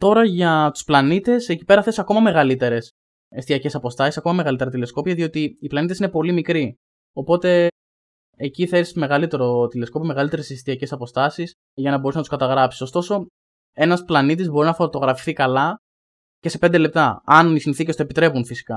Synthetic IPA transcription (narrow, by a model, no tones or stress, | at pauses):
t̪o̞ɾɐʝɐt̪u̥splɐnit̪e̞seci̥pe̞ɾɐθe̞sɐko̞mɐme̞ɣɐlit̪e̞ɾe̞s | est̪iɐce̞sɐpo̞st̪ɐsisɐko̞mɐmeɣɐlit̪eɾɐt̪ile̞sko̞piɐðiot̪iːplɐnit̪esine̞po̞limikɾi | o̞po̞t̪e̞ː | ciθesme̞ɣɐlit̪e̞ɾo̞t̪ile̞sko̞piomeɣɐlit̪e̞ɾesest̪iɐce̞sɐpo̞st̪ɐsis | ʝɐnɐbo̞ɾusnɐt̪uskɐt̪ɐɣɾɐpsi̥so̞st̪o̞so̞ | e̞nɐsplɐnit̪izbo̞ɾinɐfo̞t̪o̞ɣɾɐfi̥θikɐlɐ | ce̞se̞pe̞nd̪e̞le̞p̚t̪ɐɐnisinθice̞st̪oepit̪ɾe̞punfisi̥kɐ